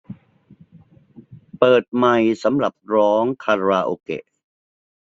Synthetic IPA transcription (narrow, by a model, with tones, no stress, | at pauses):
pɤː˨˩t̪̚ma˨˩jsa˩˦mɾa˨˩p̚ɾɔː˦˥ŋkʰa˧ɾaː˧ʔoː˧kḛ˨˩ʔ